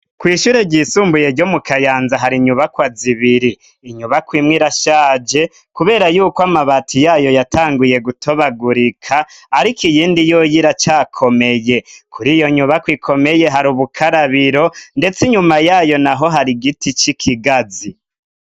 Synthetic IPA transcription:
kwiːʃuɾe̞ɟiːsuːmbuje̞ɾɟomukʰajaːnzaɦaɾiɲuβakwaziβiɾiː | ɲuβakwiːmŋiɾaʃaːd͡ʒe̞ | kuβe̞ːɾajuːkoamaβatʰijaːjo̞jatʰaːŋɡuje̞ɡutʰo̞βaɡuɾikʰaːɾikijiːndijojiɾat͡ʃaːkʰo̞me̞je̞kʰuɾijo̞ɲuβakwiːkʰo̞me̞je̞ɦaɾuβukʰaɾaβiɾo̞nde̞t͡siɲumajaːjo̞naɦo̞ɦaɾiɡitit͡ʃikʰiɡazi

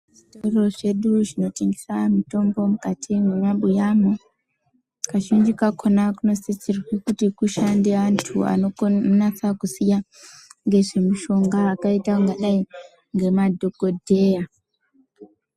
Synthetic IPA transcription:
ʐitoro̞ʐe̞ɗuʐino̞teŋɡisamito̞mbo̞mukatʰimuɲaɓujamo | kaʃind͡ʒikakʰonakuno̞sit͡ʃirwekutikuʃandeantʰua̰nonat͡sakusija | ŋɡe̞ʐe̞miʃo̞ŋɡaːkaitaŋɡaɗai | ŋɡe̞madʱokodʱe̞ja

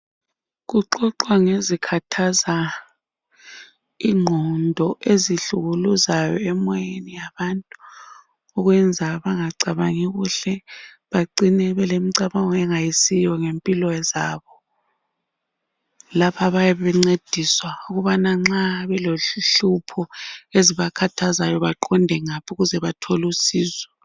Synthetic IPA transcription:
ɣuǃɔǃwaŋezikʰatʰaza | iŋ͡ǃʱɔndʱɔʔeziɬuɣuluzajɔɛmɔjenijaβantʼu | ɔɣwɛnd͡zʱaβaŋaǀaβaŋiɣuɬɛ | βaǀinɛβɛlemiǀaβaŋɔɛŋajisijɔŋempʼilɔɛzaːβɔ | lapʰaβajɛβɛŋ͡ǀed̥ʱiswauɣuβanaŋ͡ǁaβɛloɬupʰɔeziβakʰatʰazajɔβaǃɔndʱɛŋapʰuɣuzɛβatʰɔlusiːzɛ

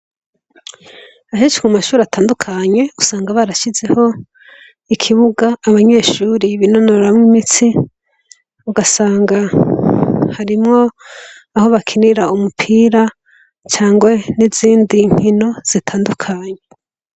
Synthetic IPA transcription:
aɦet͡ʃi̥kumaʃuːɾatʰaːndukʰaɲe̞usaːŋɡaβaɾaʃize̞ho̞ | ikʰiβuɡaːβaɲe̞ʃuːɾiβino̞noɾamŋimit͡si | uɡasaːŋɡa | haɾimŋo̞ | aho̞βakʰiniɾaumupʰiːɾa | t͡ʃaːŋɡweniziːndiŋ̥hino̞z̥itʰaːndukʰaːɲe

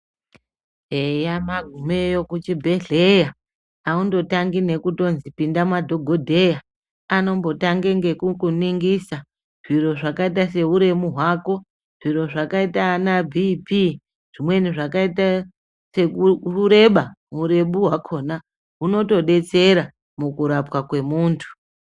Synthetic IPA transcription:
ejamaɡʱumejo̞kut͡ʃibʱe̞ɮe̞ja | aundo̞taŋɡine̞kuto̞nzipindamwadʱo̞ɡʱo̞dʱe̞ja | ano̞mbo̞taŋɡeŋɡe̞kukuniŋɡisa | ʐ̥iro̞ʐakaitase̞uɾe̞muɦwaːko̞ | ʐ̥iɾo̞ʐakaitanabʱipi | ʐ̥imwe̞niʐakaita | seuɾe̞ɓauɾe̞ɓuɦwakʰo̞ːna | ɦuno̞to̞ɗe̞t͡se̞ɾa | mukuɾapwakwe̞muːntʰu̥

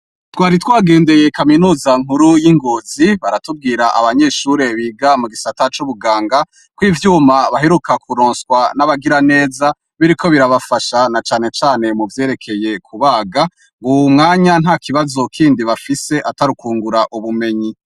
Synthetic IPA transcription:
twaːɾitwaːɡe̞ːnde̞je̞kaminuːzaŋ̥huɾujiŋɡoːziβaɾatub̚ɡiːɾaʔa̰βaɲe̞ːʃuɾe̞βiːɡamuɡisatat͡ʃuβuɡaːŋɡa | kwiːvjuːmaβaɦeɾukakʰuɾoːnskwanaβaɡiɾane̞ːza | βiɾikʰo̞βiɾaβafaʃanat͡ʃaːne̞t͡ʃaːne̞muvje̞ːɾe̞kʰe̞je̞kʰuβaːɡa | ŋɡumŋaːɲanhakʰiβazo̞kʰiːndiβafise̞ʔataɾukuːŋɡuɾaʔuβume̞ɲi

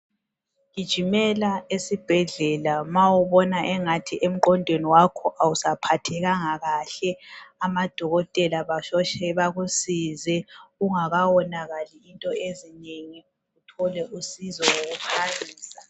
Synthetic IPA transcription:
kid̥ʒ̥ʱimɛlaesib̥ʱɛɮɛlamawuβɔnaʔɛŋatʰiʔem̩ǃɔndʱweniwakʰɔʔawusapʰatʰɛɣaŋaɣaɬɛamad̥ʱɔɣɔtʼɛlaβaʃɔʃɛβaɣusizɛuŋaɣawɔnaɣaliːntʼɔezineŋi | utʰɔlɛʔusizɔwoɣupʰaɣiːsa

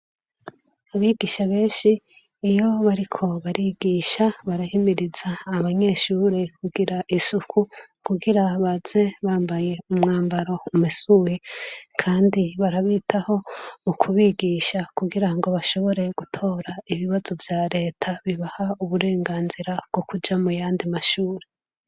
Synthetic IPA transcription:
aβiɡiːʃaβe̞ːnʃiː | jo̞βaɾikʰo̞βaɾiɡiːʃaβaɾahimiɾizaːβaɲe̞ʃuːɾekuɡiɾaʔisukʰu | kuɡiɾaβaz̥e̞βaːmbaje̞umŋaːmbaɾo̞umisuːjekʰaːndiβaɾaβitʰaho̞mukʰuβiɡiːʃakuɡiɾaŋɡo̞βaʃo̞βo̞ɾe̞ɡ̥utʰo̞ːɾaiβiβazo̞vjaːɾe̞ːtʰaβiβahauβuɾe̞ːŋɡaːnziɾabɡ̥o̞kud͡ʒamujaːndimaʃuːɾe

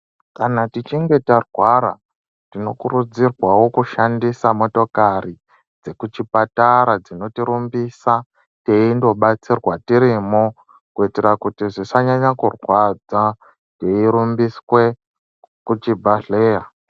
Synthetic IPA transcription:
kanatit͡ʃiŋɡe̞tarwaɾa̰ | tino̞kuɾud͡zirwawo̞kuʃandisamo̞to̞kari | d͡ze̞kut͡ʃipataɾad͡zino̞tiɾumbisa | teindo̞ɓat͡sirwatiɾimo | kuite̞ɾakutiʐisaɲaɲakurwad͡za | teiɾumbiswe̞ | kut͡ʃibʱaɮeːja

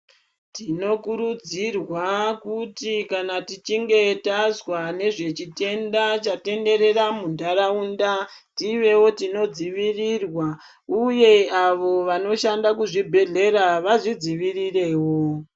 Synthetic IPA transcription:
tino̞kuɾud͡zirwakutikanatit͡ʃiŋɡe̞tazwane̞ʐe̞t͡ʃite̞ndat͡ʃate̞nde̞ɾe̞ramundaɾaunda | tiʋe̞wo̞tino̞d͡ziʋirirwa | uje̞aʋo̞ʋano̞ʃandakuʐibʱe̞ɮe̞ɾaʋaʐid͡ziʋirire̞ːwo̞

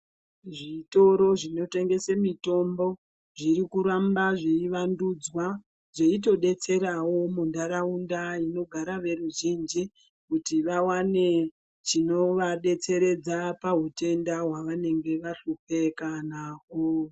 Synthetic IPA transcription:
ʐito̞ɾo̞ʐino̞te̞ŋɡe̞semito̞mbo̞ | ʐiɾikuɾambaʐeiʋandud͡zwa | ʐeito̞ɗe̞t͡se̞ɾawo̞mundaɾaundaino̞ɡʱaɾaʋe̞ruʒind͡ʒi | kutiʋawane̞ | t͡ʃino̞ʋaɗe̞t͡se̞ɾe̞d͡zapaɦute̞ndaɦwaʋane̞ŋɡe̞ʋaɬupe̞kanaːko

